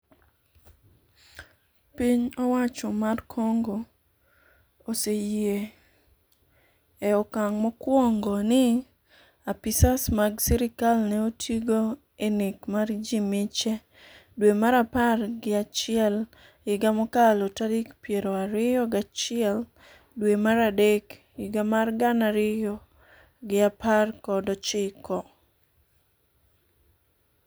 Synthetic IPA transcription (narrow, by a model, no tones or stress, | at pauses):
piɲɔwat͡ʃɔmarkʰɔŋɡo | oseje | eɔkaŋmɔkwɔŋɡɔnɪ | apisasmaɡsiɾɪkalnɛotʰiɡo | enikmaɾd͡ʒimɪt͡ʃɛ | dwemaɾaparɡɪat͡ʃɪɛl | ɪɡamɔkalotadikpjeɾoaɾɪjɔɡat͡ʃɪɛl | dwemaɾadek | ɪɡamarɡanaɾɪjɔ | ɡɪaparkɔdɔt͡ʃɪkɔ